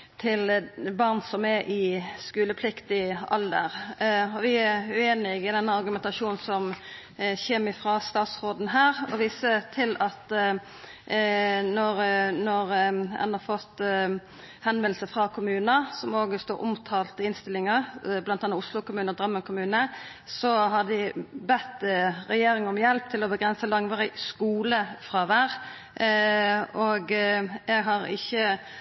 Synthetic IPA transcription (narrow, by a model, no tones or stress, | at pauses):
t̪ʰɪlbɑʁnsɔmɛʔɪskʉːləpʰlɪkt̪ɪɑ̰ld̪ə̰ɾɔʋɪæʉeːnɪɡɪd̪ɛnːɑɾɡʉmɛnt̪ɑʂuːn̩sɔm | çeːmɪfʁɑːst̪ɑːt̪sʁoːd̪nɦæːɾɔʋiːsət̪ʰɪlɑt̪ | nɔɾnɔɾɛ̰nɑʁfɔt̪ː | hɛnʋɛnlsəfʁɑkʰʊmʉːnəsɔmoːɡəst̪oːɾʔʊ̰mt̪ʰɑːlt̪əɪnst̪ɪlɪŋəʁblɑnt̪ɑːnɑʊslʊkʊmʉːnəʁd̪ɾœmːənkʰʊmʉːnə | sɔɦɑd̪ɪbɛt̪ːʁɛjeːɾɪŋɔmjɛlp̚t̪ʰɪlɔbəɡʁɛnsəlɑŋʋɑːɾɪskuːləfʁɑʋæʁ | oɡɛɡɦɑɾɪ̰çːə